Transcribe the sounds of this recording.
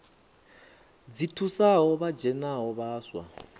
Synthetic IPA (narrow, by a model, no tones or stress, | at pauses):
d͡zitʰusaɦɔβad͡ʒɛnaɦɔβaːswa̰